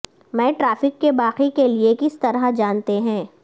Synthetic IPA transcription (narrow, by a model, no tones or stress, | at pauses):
mɛ̃ːʈɾaːfɪkːebaːqikeliekɪst̪ɐɾad͡ʒaːnt̪eɦɛ̃ː